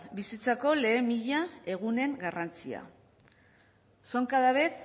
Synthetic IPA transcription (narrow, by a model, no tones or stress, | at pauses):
bisit͡sako̞le̞ːmiʎae̞ɣ̞une̞ŋɡarant͡sia̰ | soŋkaðaβet̪